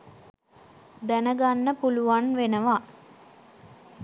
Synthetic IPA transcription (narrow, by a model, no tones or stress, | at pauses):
d̪ænəɡanːəpuluʋanʋenəʋa